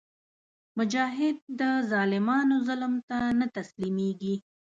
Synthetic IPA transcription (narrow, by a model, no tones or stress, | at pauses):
mʊd͡ʒɑɦɪd̪̚ːəzɑlɪmɑnozʊlmt̪anat̪aslimeɡi